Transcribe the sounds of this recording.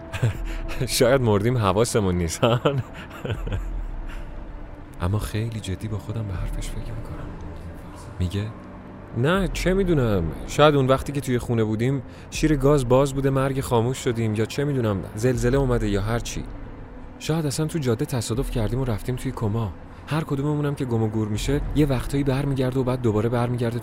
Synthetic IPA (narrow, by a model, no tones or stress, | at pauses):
ʃɒːjæd̪moɾd̪iːmɦævɒːse̞munːist̪æn | ʔæ̰mːɒːxe̞jliːd͡ʒe̞d̪ːiːbɒːxo̞d̪æmbeɦæɾfeʃfe̞cʰmikʰo̞næm | miɟe | næt͡ʃʰe̞miːd̪unæmʃɒːjæd̪unvæxt̪iːkcʰe̞t̪ʰuje̞xuːne̞buːd̪iːm | ʃiːɾe̞ɡɒːzbɒːzbuːd̪e̞mæɾɟexɒːmuːʃːo̞d̪iːmjɒːt͡ʃʰe̞miːd̪unæmze̞lze̞leumæd̪e̞jɒːɦæɾt͡ʃʰḭː | ʃɒːjæd̪æsænt̪ʰud͡ʒɒːd̪ːet̪ʰæsɒːd̪o̞fcʰæɾd̪iːmoɾæft̪iːmt̪ʰujekʰo̞mɒ | hæɾkʰo̞d̪umemuːnæmcʰe̞ɡomoɡuːɾmiʃeje̞væχt̪ʰɒːibæɾmiːɟæɾd̪eobæːd̪̚ːobɒːɾe̞bæɾmiːɟæɾd̪e